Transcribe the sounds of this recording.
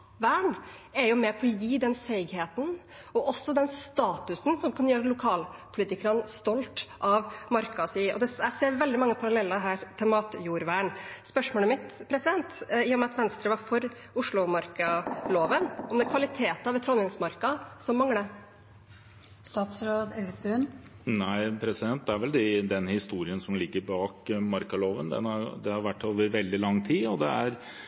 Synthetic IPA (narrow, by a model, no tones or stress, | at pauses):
ʋæːɳɛɾjʊmɛpʰɔːjiːd̪ɛnseɪɡheːt̪n | ɔʔɔsːɔd̪ɛnst̪ɑːt̪ʉsn̩sɔmkʰɑnjøːɾəlʊkʰɑːlpʰʊliːt̪ɪkəɾənst̪ɔlt̪ʔɑʋmɑɾkɑsiːʔɔ̰d̪ɛæseːɾʋɛld̪ɪmɑŋːəpʰɑɾɑlɛlːəɦæːɾt̪ʰɛmɑːt̪juːɾʋæːɳspœʂmoːləmɪt̪pʰɾɛsɪd̪ɛnt̪jɪjʊmɛɑt̪ʋɛnst̪ɾəʋɑɾfɔɾ | ʊʂɭʊmɑɾkɑloːʋənɔmd̪ɛkʰʋɑlɪt̪ʰeːt̪ɑʋɛt̪ʰɾɔnɪŋsmɑɾkɑsɔmːɑŋːɽə | st̪ɑːt̪sɾoːd̪ɛlsʉn | næɪpʰɾɛsɪd̪ɛnt̪̚d̪ɛæɾʋɛld̪ɪd̪ɛnhɪst̪uːɾɪənsɔmlɪɡːəɾbɑːkmɑɾkɑloːʋənd̪ɛ̰nhɑɾd̪ɛhɑɾʋæʈːoːʋəɾʋɛld̪ɪlɑŋːt̪ʰiːɔd̪ɛæɾ